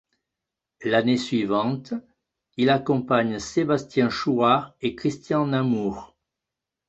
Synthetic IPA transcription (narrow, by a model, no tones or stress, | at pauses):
lanesɥivɑ̃t̪ | ilakɔ̃paɲsebast̪jɛ̃ʃuaʁekχist̪jɑ̃namuʁ